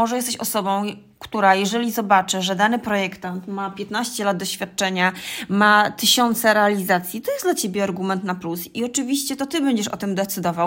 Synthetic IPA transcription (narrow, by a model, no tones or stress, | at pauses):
ɔʐɛjɛst̪ɛɕɔsɔbɔ̃w̃ | kt̪uɾajɛʐɛlʲizɔbat͡ʂɘʐɛd̪anɘpɾɔjɛkt̪ant̪mapʲjɛt̪naɕt͡ɕɛlad̪d̪ɔɕfʲjat̪̚t͡ʂɛɲamat̪ɘɕɔnt̪sɛɾɛalʲizat̪sʲjit̪ɔjɛsd̪lat͡ɕebʲjɛaɾɡumɛnt̪naplusiɔt͡ʂɘvʲiɕt͡ɕɛt̪ɔt̪ɘbɛɲd͡ʑɛʂɔ̰t̪ɘmd̪ɛt̪sɘd̪ɔvaw